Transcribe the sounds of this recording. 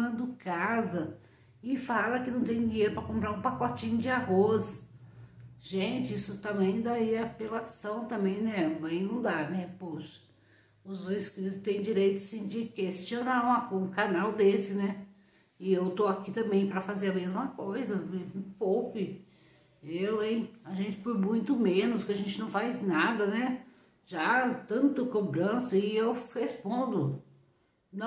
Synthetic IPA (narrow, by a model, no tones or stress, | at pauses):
ɐ̃d̪ʊkazɐ | ɪfalɐkɪnɐ̃w̃t̪ẽj̃d͡ʒiɲejɾʊpɾɐkõmpɾaɾũpakot͡ʃĩɲʊd͡ʒɪaɦos | ʒẽt͡ʃɪisʊt̪ɐ̃mẽĩj̃d̪aiɐpelasɐ̃w̃t̪ɐ̃mbẽj̃nɛvɐ̃j̃nũd̪aɾnɛpoʃɐ̥ | ʊzõjskɾit̪ʊt̪ẽj̃d͡ʒiɾejt̪ʊasĩd͡ʒɪkest͡ʃionaɾũɐũkanawd̪esɪnɛ | ɪewt̪oakit̪ɐ̃mbẽj̃pɾɐfazeɾamezmɐkojzɐpowpɪ | ewẽjaʒẽnt͡ʃɪ̥pʊɾmũj̃t̪ʊmẽnʊskɪaʒẽnt͡ʃɪnɐ̃w̃fajznad̪ɐnɛ | ʒat̪ɐ̃nt̪ɐkobɾɐ̃sɐɪewhespõnd̪ʊ | nɐ̃